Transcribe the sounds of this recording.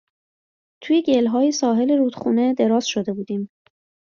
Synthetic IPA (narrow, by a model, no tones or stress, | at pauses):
t̪ʰuːjeɟelɦɒːjesɒːɦe̞le̞ɾuːd̪̥xuːne̞d̪e̞ɾɒːz̥ʃo̞d̪e̞buːd̪iːm